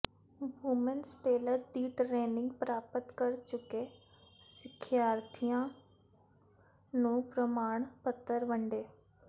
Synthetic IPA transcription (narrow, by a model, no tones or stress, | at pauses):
ʋʊmənsʈeːləɾd̪iːʈɾeːnɪ̃ŋɡ̚pɾaːpət̪kəɾt͡ʃʊke | sɪkʰjaːɾt̪ʰijã | nũpɾəmaːɽ̃pət̪ːəɾʋɐ̃ɳɖeː